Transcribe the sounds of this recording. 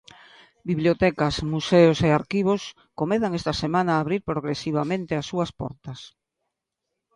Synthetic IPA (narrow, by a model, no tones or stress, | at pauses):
biβljot̪ɛkɐsmuseʊseaɾkiβ̞os | komeðaŋest̪ɐsemãnaːβɾiɾpɾoɣɾesiβ̞amẽnt̪easːuɐspɔ̰ɾt̪ɐs